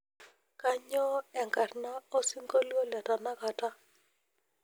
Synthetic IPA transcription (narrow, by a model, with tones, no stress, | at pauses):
ka˦ɲɔ˦ɛ˨ŋka˨rna˦o˦si˦ŋɡo˦lwo˦lɛ˨ta˨na˦ka˨ta˦